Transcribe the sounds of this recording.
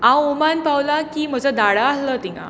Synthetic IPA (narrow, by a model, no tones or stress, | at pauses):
ãwomanpawlakiːm̤əd͡zəd̪aɽaːslət̪iŋɡã̰